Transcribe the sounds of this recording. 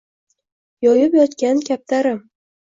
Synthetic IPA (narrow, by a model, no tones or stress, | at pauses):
jɒjɪpjɒt̪kʲankʲʰap̚t̪aɾɪm